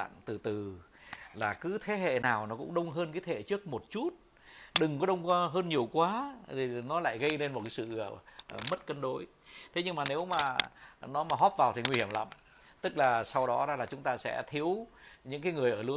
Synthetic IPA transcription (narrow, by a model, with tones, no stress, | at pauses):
a̰ː˧˨nt̪ɨ˨˩t̪ɨ˨˩ | laː˨˩kɨ˨˦t̪ʰe˨˦ɦḛ˧˨naː˨˩wnɔ˨˦kʊ̰˧˥ŋ͡mɗə˧wŋ͡mɦəː˧nkaː˨˦jt̪ʰḛ˧˨t͡ɕɨ˦˥ək̚mo˨˩t̚t͡ɕu˦˥t̚ | ɗɨ˨˩ŋkɔ˨˦ɗə˧wŋ͡ma˧ɦəː˧nɲi˨˩əwkwaː˨˦t̪ʰi˨˩nɔ˨˦la̰ː˧˨jɣə˧jle˧nmo˨˩t̚kaː˨˦sɨ̰˧˨˩mə˦˥t̚kə˧nɗo˨˦j | t̪ʰe˨˦ɲɨ˧ŋmaː˨˩ne˨˦wmaː˨˩nɔ˨˦maː˨˩ɦɔ˦˥p̚vaː˨˩wt̪ʰi˨˩ŋwi˧hi˧˩əmla̰˧˥m | t̪ɨ˦˥k̚laː˨˩sa˧wɗɔ˨˦zaː˧laː˨˩t͡ɕʊ˨˦ŋ͡mt̪aː˧sɛ̰˧˥t̪ʰi˨˦əwɲɨ̰˧˥ŋkaː˨˦jŋɨ˨˩əjʔəː˧˩lɨ̰˧˦